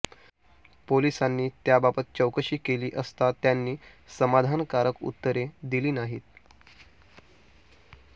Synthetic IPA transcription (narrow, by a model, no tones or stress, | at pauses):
polisanːiːt̪jababət̪̚t͡ɕəwkəɕiːkeliːʔəst̪at̪janːiː | səmad̪ʱankaɾəkṵt̪ːəɾed̪iliːnaɦiːt̪